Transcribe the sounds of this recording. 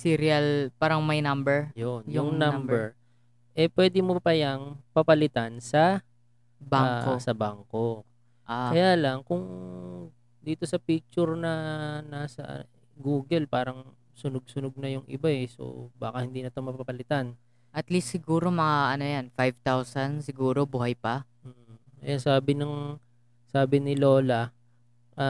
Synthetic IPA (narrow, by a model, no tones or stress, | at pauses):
siːɾiɐlpaːɾɐŋmɐjnɐmbɛɹjonjʊŋnambɛɹ | ʔɛpwɛːd̪ɪmopɐjɐŋpɐpɐlɪt̪ansɐ | baosɐbaŋko̞ | ʔakɐjaːlɐŋkʊŋ | d̪iːt̪o̞sɐpiːk̚t͡ʃʊɹnɐnaːsɐ̰ʔ | ɡuːɡɛlpaːɾɐŋ | sʊnoɡ̚sʊnoɡ̚nɐjʊŋʔɪ̰baɛso̰baːkɐhɪnd̪iːnɐt̪o̞mɐpapɐlɪt̪an | ʔɐt̪list̪sɪɡuːɾo̞mɐŋaʔɐno̞janfajvt̪awsɐnsɪɡuːɾo̞bʊɦɐjpɐ | m̩ː | ɐjansaːbɪnɐŋ | saːbɪnɪlo̞ːlɐ | ʔa